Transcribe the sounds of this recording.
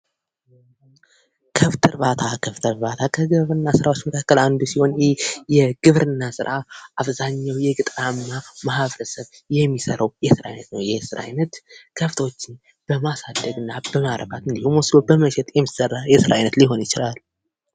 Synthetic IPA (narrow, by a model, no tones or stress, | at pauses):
kʰəft̪ʰəɾβat̪ʰakʰəft̪ʰəɾβat̪ʰakʰəɡɨβɾɨnːasɨɾawot͡ʃːməkʰakːəland̪usiho̞njɪjɛɡ̥ɨβɾɨnːasɨ̰ɾʔaaβzaɲːawjɛɡɨt̪ʼɾamːamaɦaβɾəsəβ | jɛmːisəɾəwjɛsɨɾa̰jnət̪nəwjɛsɨɾa̰jnət̪kʰəft̪ʰəwot͡ʃːɪn | b̥əmasad̪əɡɨnːabəmaɾəβat̪ɨnd̪ihumwɔslobəməʃɛt̪ʼjɛmːisərːajɛsɨɾa̰jnət̪liɦo̞njɪt͡ʃɪlal